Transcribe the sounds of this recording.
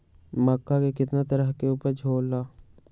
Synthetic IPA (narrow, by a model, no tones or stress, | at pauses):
mɐkːakekɪt̪nat̪əɾəɦkeuːpəɾd͡ʒʱoːlːaː